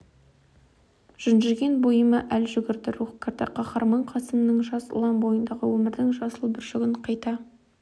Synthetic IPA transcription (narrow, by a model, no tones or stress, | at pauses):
ʒ̥ʏnʒɪɾɡʲe̞nbojəməʔælʒʏɡʲɪɾd̪ɪɾuχkʲʰeɾd̪ɪqʰɑχɑɾmɑɴqʰɑsəmənːəŋʒɑsʊ̰lˠɑnbo̞jənd̪ɑʁə̰wɵmɪɾd̪ɪŋʒɑsəlˠbɪɾʒɪɡʲɪɴqʰɑjt̪ɑ